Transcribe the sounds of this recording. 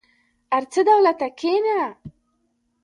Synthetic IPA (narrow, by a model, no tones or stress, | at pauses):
aɾt͡səd̪awlat̪akʰena